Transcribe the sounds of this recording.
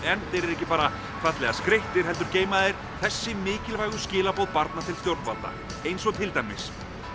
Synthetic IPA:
ɛnθejɾɛɾɛhcɪpaːɾa | kʰvat̪lɛɣaskɾeht̪ɪɾ̥ɦɛl̪t̪ʏɾceːjmaðejɾ̥ | θɛsːɪmɪːcɪlvaːjɣʏscɪːlapowðpaɾt̪nat̪ʰɪlst̪jowɾt̪nvalt̪a̰ | ejnsɔt̪ʰɪlt̪ajmːɪ̰s

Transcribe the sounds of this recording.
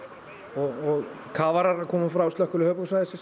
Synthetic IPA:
ɔɣɔɣ | kʰaːvaɾaɾaðkʰɔːmʏfɾawst̪œhkʏlʏhœːpɔsajðɪsɪs

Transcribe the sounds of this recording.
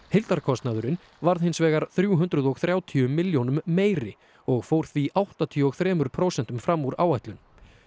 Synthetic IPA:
hɪjlt̪aɾkʰɔst̪naðʏɾɪn | vaɾðhɪnsvɛːɣaɾ̥θɾjuɦʏnt̪ɾʏðɔɣθɾjaːwt̪ʰiʏmɪljownʏmːeːjɾɪ | ɔɣfoːwɾ̥θviʔawht̪at̪ʰiʏɔɣθɾɛːmʏɾpʰɾoːwsɛn̥t̪ʏmfɾamːuɾaːwajht̪lʏn

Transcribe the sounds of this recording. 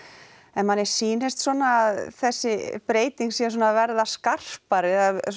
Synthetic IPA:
ɛnmanːɛɾ̥siːnest̪sɔːnaːðθɛsːɪpɾeːjt̪iŋksiːas̬ɔːnaːvɛɾðaskar̥paɾɪða

